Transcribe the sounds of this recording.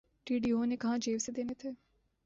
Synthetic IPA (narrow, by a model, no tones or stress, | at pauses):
ʈiːɖiːoːneːkəɦãːd͡ʒeːʋseːd̪eːneːt̪ʰeː